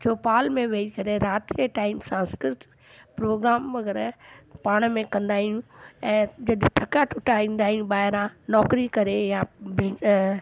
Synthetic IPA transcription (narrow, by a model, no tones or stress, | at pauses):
t͡ʃʰoːpaːlmẽʋeikɐɾeɾaːt̪eʈaːɪmsãːnskɾɾɪt̪ | pɾoːɡɾaːmʋɐɡəɾpaːɽ̃mẽkɐ̃nd̪aːɦijũɛ̃ːd͡ʑɐɗʈʰɐkaʈʰʊʈaĩːnd̪aːɦijũɓaːɦɪɾãnɔːkɾikɐɾejabɪ